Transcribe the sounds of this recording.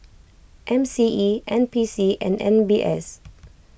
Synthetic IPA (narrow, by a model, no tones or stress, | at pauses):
ʔɛ̃msiʔiʔɛ̃npisiʔɛ̰̃nɛ̰̃nbiʔɛ̰s